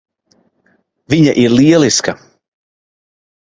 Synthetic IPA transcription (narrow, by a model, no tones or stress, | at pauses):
viɲaʔiɾliɛlˠiska